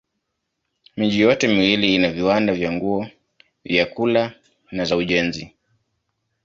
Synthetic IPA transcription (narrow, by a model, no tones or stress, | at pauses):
miʄijɔtɛmiwiliinaviwandavjaŋɡuɔ | vjakula | nazauʄɛnzi